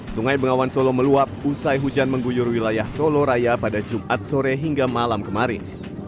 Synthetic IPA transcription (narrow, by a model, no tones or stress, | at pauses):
suŋajbəŋawansoloməluap̚usajɦud͡ʒanməŋɡujʊrwilajahsoloɾajapadad͡ʒumʔat̪̚soɾeɦiŋɡamalamkəmaɾɪ̰n